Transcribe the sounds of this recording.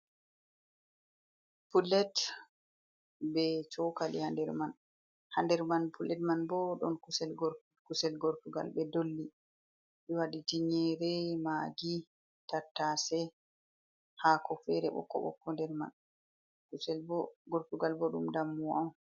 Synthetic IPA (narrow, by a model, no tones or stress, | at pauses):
pulːɛt | bɛt͡ʃɔkalihandɛɾman | handɛɾmanpʰulɛtmanbɔɗɔnkusɛlɡ | kusɛlɡoɾtuɡa̰lbɛdolːi | ɓɛwaɗitiɲɛɾɛmaɡi | tatːasɛ | hakɔfɛɾɛ̰ɓɔ̰kːɔ̰ɓɔ̰kːɔndɛɾma̰n | kusɛɡoɾtuɡalbɔɗṵmdamːuwaw